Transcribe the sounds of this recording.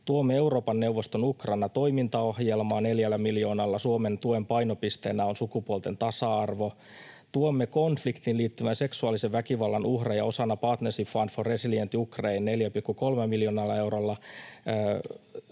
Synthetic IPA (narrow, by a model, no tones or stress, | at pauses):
t̪uomːee̞uro̞ːpɑnnewʋːost̪onukrɑnːɑt̪o̞imint̪ɑo̞hjelmɑːneljælːæmiljo̞ːnɑlːɑsuoment̪uoempɑinopist̪eːnæonsukupuolt̪e̞nt̪ɑsɑɑrʋo̞ | t̪uomːekonflikt̪inliːt̪ːyʋænse̞ksuɑliseʋʋækiʋɑlːɑnʔuhrejɑo̞sɑnːɑpɑːt̪nersifɑnforesiljent̪ːiukreinneljæpikːuko̞lmemiljonɑlːɑe̞wɾolːɑ